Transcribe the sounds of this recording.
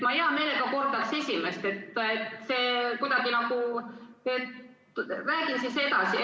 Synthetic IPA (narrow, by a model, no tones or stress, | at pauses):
mɑiɑme̞ːle̞ɡ̥ɑko̞rd̪ɑkse̞sʲime̞st̪e̞t̪ːet̪se̞ːkud̪̥ɑɡ̥inɑɡu | et̪ | ræːɡ̥insise̞d̪̥ɑsi